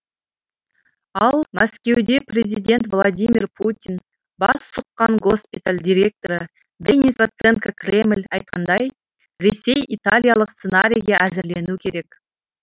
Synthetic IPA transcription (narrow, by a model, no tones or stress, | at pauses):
ɑlˠmæskʲe̞wd̪e̞prʲezijd̪ʲe̞nt̪vlˠad̪ʲimʲirpʰut̪ʲin | bɑ̰ssʊqːɑɴɡo̞spʲit̪alʲd̪ʲiɾʲe̞k̚t̪o̞ɾə | d̪enʲisvot̪se̞ŋkakrʲe̞mlʲɑjt̪̚qɑnd̪ɑj | ɾe̞sejʔit̪alʲjalˠəqst̪senaɾʲijʁɑʔæzɪɾle̞nukʲʰe̞ɾe̞k